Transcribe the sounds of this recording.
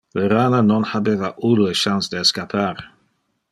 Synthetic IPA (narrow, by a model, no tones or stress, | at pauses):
vɛɾaːnanɔnhabɛðaʔʊluəʃansd̥eskapʰaɾ